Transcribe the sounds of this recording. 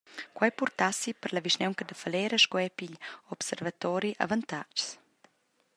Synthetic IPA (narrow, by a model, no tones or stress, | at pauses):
kwajpurt̪asipəɾlaviʃnɛwŋkəd̪əfalɛɾəʃkɔɛpiʎɔpsɛɾvat̪ɔɾiʔa̰vant̪at͡ʃs